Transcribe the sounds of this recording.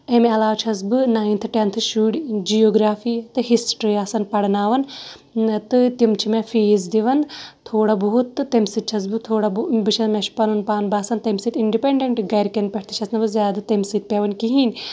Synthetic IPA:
ɐmeɐlaːt͡ʃʰɐzbɨnaːint̪ʰɨʈɐnt̪ʰɨʃuːɽd͡ʒijoːɡɾaːfiːt̪ɨɦisʈɾiaːsɐnpɐɽnaːʋɐn | t̪ɨt̪imt͡ʃʰimẽfeːzd̪iʋɐnt̪ʰoːɽabɐɦut̪ːɨːɐmsit̪̚t͡ʃʰɐzbɨt̪ʰoːɽabbɨʃʰɐmeʃpɐnunpaːnbaːsɐnt̪ɐmsit̪iɳɖipeɳɖeɳʈɡɐɾkɐnpʲeʈʰt̪ʰi̥t͡ʃʰɐsnɐbɨzʲjaːd̪at̪ɐmsit̪̚pʲeʋɐnkiɦin

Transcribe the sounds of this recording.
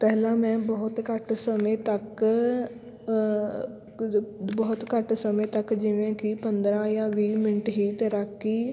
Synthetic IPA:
pɛːlãːmɛ̃ːbɔːt̪kəʈsəmẽːt̪ək | bɔːt̪kəʈsəmẽːt̪əkd͡ʒɪʋẽːkɪpənd̪ɾãːjãːʋiːmɪnʈɦiːt̪eːɾəkːiː

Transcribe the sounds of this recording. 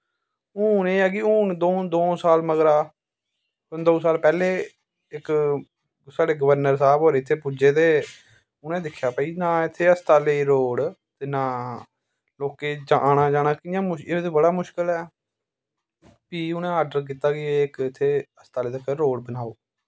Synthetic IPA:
uːneːɛːk̬ɪʊːnd̪oːd̪oːsaːlməɡɾaː | ʊnd̪oːsaːlpɛːleː | ɪk | saːɖeːɡəʋəɾnəɾsaːbɦoːɾeːɪt̪ʰːeːpud͡ʒeːt̪eː | ʊnẽːd̪ɪkʰːjaːpəiːnaːɪt̪ʰːeːəst̪aːleːɾoːɽt̪eːnãː | loːkeːd͡ʒaːñaːd͡ʒaːɽ̃aːkɪjãːmʊet̪eːbəɽaːmʊʃkəlɛː | piːʊnẽːaːɖəɾk̬iːt̪aːkɪeːɪkɪt̪ʰːeːəst̪aːleːt̪əkːeɾoːɽbənaːoː

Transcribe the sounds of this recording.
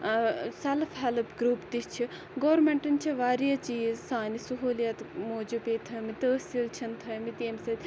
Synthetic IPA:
sɐlfʰɦɐlpɡɾuːpt̪ist͡ʃʰi | ɡoːɾmeɳʈɐnt͡ʃʰiʋaːɾijɐt͡ʃiːzsaːnisuɦuːljɐt̪moːd͡ʒupeːt̪ʰɐmit̪əːsilt͡ʃʰɐnt̪ʰɐjmit̪eːmsɐt̪ʲ

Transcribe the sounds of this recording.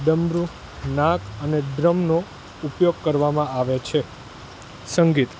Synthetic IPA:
ɖəmɾu | nãkʰəneɖɾəmno | upjoɡ̚kəɾʋamãaʋet͡ʃʰe | səŋɡit̪

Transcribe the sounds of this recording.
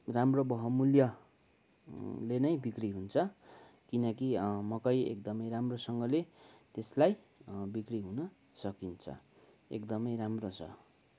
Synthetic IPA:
ramrobʌɦʌmuljʌ | lenʌjbikriɦunt͡sʰʌ | kinʌkimʌkʌjḛkd̪ʌmʌjɾamrosʌŋɡʌlet̪eslaj | bikriɦunʌ | sʌkint͡sʰʌ̰ | ḛkd̪ʌmʌjɾamrot͡sʰʌ̰

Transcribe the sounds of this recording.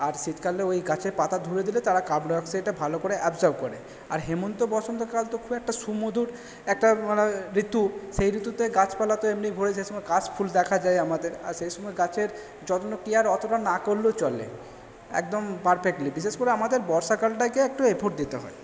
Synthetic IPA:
aɾʃit̪kaleojɡat͡ɕʰeɾpat̪ad̪ʱuɾed̪ilet̪aɾakabnoɔkseʈabʱalokoɾeʔɛbzɔɾbkoɾḛ | aɾɦemont̪obɔt͡ɕʰont̪okalt̪okʰubɛk̚ʈaʃumod̪ʱuɾ | ɛk̚ʈamaneɾit̪uʃejɾit̪ut̪eɡat͡ɕpalat̪oemniɡʱoɾeʃ̬ejʃɔmɔeɡat͡ɕpʰuld̪ɛkʰad͡ʑajamad̪eɾa̰ɾʃejʃɔmɔeɡat͡ɕeɾ | d͡ʑɔt̪onokiaɾɔt̪oʈanakoɾlːot͡ɕɔlḛ | ɛ̰k̚d̪ompaɾpʰekʈlibiʃeʃkoɾeamad̪eɾbɔɾʃakalʈakeɛk̚ʈuepʰoʈ̚d̪it̪eɦɔ̰e

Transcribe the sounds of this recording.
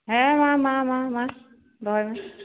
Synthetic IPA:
ɦɛmãmamama | dɔjma

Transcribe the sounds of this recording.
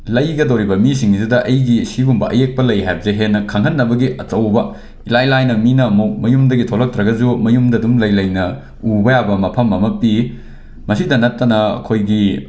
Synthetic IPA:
lɐjɡɐdowɾibɐmisiŋzudɐʔɐjɡisibumbɐʔɐjek̚pɐlɐjɦajbzeɦenːɐkʰɐŋɦɐnːɐbɐɡiʔɐt͡ʃɐwbɐ | ilajlajnɐminɐmɐmɐjumdɐɡitʰolɐk̚tɾɐɡɐd͡ʒumɐjumdɐdumlɐjlɐjnɐ | ubɐjabɐmɐpʰɐmːɐmɐpi | mɐsidɐnɐtːɐnɐɐ̰kʰojɡi

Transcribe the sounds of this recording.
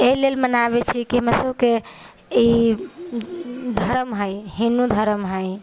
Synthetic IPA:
eɦilelmənaβet͡ʃʰikiɦəmesəbke | i | d̪ʱəɾəmɦəjɦinud̪ʱəɾəmɦəj

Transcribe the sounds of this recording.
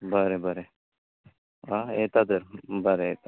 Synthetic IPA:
bəɾebəɾe | aet̪ad̪əɾbəɾeet̪a

